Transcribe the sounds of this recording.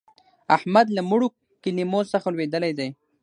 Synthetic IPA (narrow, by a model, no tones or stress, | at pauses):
ahmad̪lamuɽu | kɪlimosaxalwed̪əlajd̪aj